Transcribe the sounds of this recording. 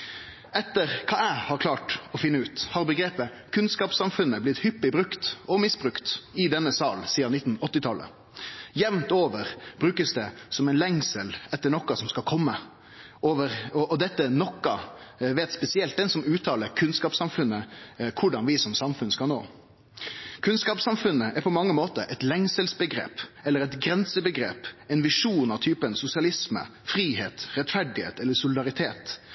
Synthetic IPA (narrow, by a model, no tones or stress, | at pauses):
ɛt̪ːəʁkʰɑːæɪhɑɾkʰlɑːʈɔfɪnːəʉːt̪hɑɾbəɡɾeːpə | kʰʉnskɑːpsɑmfʉnːəblɪt̪hʏpːɪbɾʉkt̪ɔmɪsbɾʉkt̪ɪd̪ɛnːəsɑːlsiːɑnɪt̪ːn̩ɔt̪ːɪt̪ʰɑlːə̰ | jɛʋnt̪oːʋəʁb̥ɾʉːkəsd̪ɛsɔmɛɪnlɛŋsəlɛt̪ːəɳɔkːɑsɔmskɑlkʰɔmːə | ʔoːʋəʁɔʔɔd̪ɛt̪ːənɔkːɑ | ʋeːt̪spɛsɪɛlt̪̚d̪ɛnsɔmʉːt̪ʰɑːləɾkʰʉnskɑːpsɑmfʉnːəkʰʊɖɑnʋɪsɔmsɑmfʉnskɑlno̰ː | kʰʉnskɑːpsɑmfʉnːəʔæɾpʰɔmɑŋːəmoːt̪əɾʔɛt̪lɛŋsəlsbəɡɾḛːpɛlːəɾɛt̪ɡɾɛnsəbəɡɾḛːpɛɪnʋɪʂuːnɑʋt̪ʰyːpənsʊsɪɑlɪsmə̰ | fɾiːheːt̪ɾɛt̪fæɖɪhḛːt̪ɛlːəsʊlɪd̪ɑɾɪt̪ʰeːt̪